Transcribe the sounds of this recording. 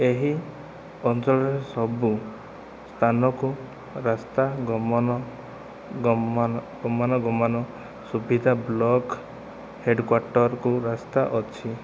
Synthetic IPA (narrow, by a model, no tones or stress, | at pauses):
eɦi | ɔnsɔɭɔɾesɔbu | st̪ʰanɔku | ɾast̪aɡɔmɔnɔ | ɡɔmanɔɡɔmanɔ | subʱid̪ʱablɔk | heɖkwaɾʈɔɾkuɾast̪aʔɔt͡ʃʰi